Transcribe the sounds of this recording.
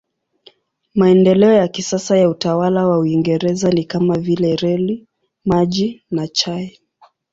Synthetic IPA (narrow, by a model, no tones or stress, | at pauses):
maɛndɛlɛɔjakisasajautawalawauiŋɡɛɾɛzanikamavilɛɾɛli | maʄinat͡ʃaɛ